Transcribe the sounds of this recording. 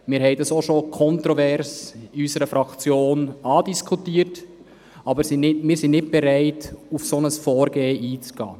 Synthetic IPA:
mɪːɾɦɛɪdɑsoʃokʰɔntɾɔvɛɾsiysəɾəfɾɑkt͡sjoːnɑːdiskʰutiːərt | ɑbəɾsɪnɪmɪːɾsɪnnɪt̚b̥ɛɾæɪtufsonəsfɔːɾɡeːʔiːt͡sɡ̥ɑ̰ː

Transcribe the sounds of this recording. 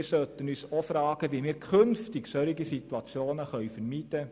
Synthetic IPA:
ɾsœt̪ənyːsofɾɑːɡ̥əʋiːmɪːɾkʰɵnftɪksœɾiɡisit̪wɑt͡sjoːnəχœʏfəɾmiːd̥ə

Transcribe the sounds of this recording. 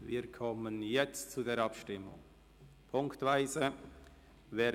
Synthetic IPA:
vḭːɾkʰɔmənjɛt͡stt͡sudeːɾɑpʃtɪmʊ̰ŋ | pʰʊŋktv̥aɪzə | vɛː

